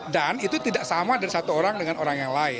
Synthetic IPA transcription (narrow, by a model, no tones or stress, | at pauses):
danit̪ut̪idaʔsamadaɾisat̪uoɾaŋdəŋanoɾaŋjaŋlaɪ